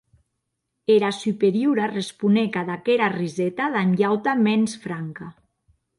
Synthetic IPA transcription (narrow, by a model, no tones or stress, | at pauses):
eɾasypeɾjuɾarespunekaðakeɾarizɛt̪aðanʎawt̪amɛnsfɾaŋka